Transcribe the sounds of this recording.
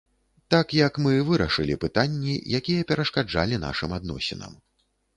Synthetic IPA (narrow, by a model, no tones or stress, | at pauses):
t̪akjɐkmɨvɨɾɐʂɨlʲḭpɨt̪anʲːḭjakʲijɐpʲɛɾɐʂkad͡ʐa̰lʲina̰ʂɨmad̪nɔ̰sʲinɐ̰m